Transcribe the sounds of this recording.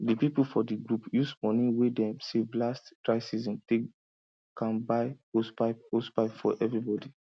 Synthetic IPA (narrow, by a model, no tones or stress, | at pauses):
dipipulfɔdiɡɹupjusmɔnĩwedɛ̃mseblastkɹaɪsizɔ̃mte | kãnbaɪospaɪpospaɪpfɔ̰ʔɛvɹibɔdi